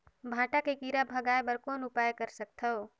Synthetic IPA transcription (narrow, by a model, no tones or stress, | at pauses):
bʱãːʈakekiːɾabʱɐɡaːepɐɾkoːnʊpaːjkɐɾsɐk̚t̪ʰɐo